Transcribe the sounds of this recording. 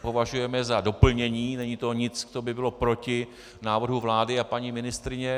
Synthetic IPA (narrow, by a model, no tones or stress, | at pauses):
po̞vaʒujɛmɛzado̞pl̩ɲɛɲiːnɛɲit̪o̞ɲɪt͡skt̪obɪbɪlo̞pɾo̞cɪ | naːvr̩ɦuvlaːdɪapaɲimɪnɪst̪ɾɪɲɛ